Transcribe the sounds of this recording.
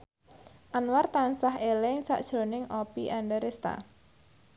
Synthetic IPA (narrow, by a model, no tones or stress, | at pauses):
ʔanwart̪ansaɦelɛŋsa̰ʔd̥ʒ̥ɾo̤nɪŋʔɔpḭʔaɳɖɛɾest̪a̰